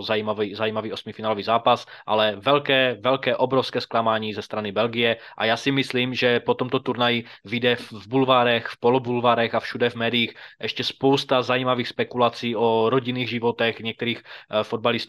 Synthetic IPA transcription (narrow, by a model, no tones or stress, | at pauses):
zajiːmavizajiːmaviːʔosmifinaːloviːzaːpas | ʔa̰lɛvɛlkɛːvɛlkɛːʔobɾofskɛːsklamaːɲiːzɛst̪ɾanɪbɛlɡijɛ | ʔa̰jaːsɪmɪsliːmʒɛpot̪omt̪ot̪uɾnajɪvidɛvbulvaɾɛxfpolobulvaɾɛxafʃudɛvmɛːdiiːxʔɛʃcɛspo̞wst̪azajiːmaviːxspɛkulat͡siːʔoɾoɟiniːɣʒivot̪ɛxɲɛk̚t̪ɛɾiːxfod̪̚balist̪